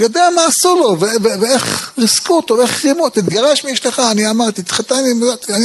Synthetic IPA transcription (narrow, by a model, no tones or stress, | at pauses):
jod̪eamaːsulo̞veveveeχʁiskut̪oeχʁimut̪it̪ɡaʁaʃmiiʃleχaːniamaʁt̪it̪χat̪animat̪ani